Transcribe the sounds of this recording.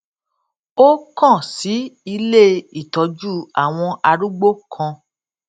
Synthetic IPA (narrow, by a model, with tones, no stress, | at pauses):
o˦kɔ̃˦˨si˨˦i˧le˦i˦˨tɔ˨˧d͡ʒu˦a˦˨w̃ɔ̃˧ʔa˧ɾu˦ɡ͡bo˦kʰã˧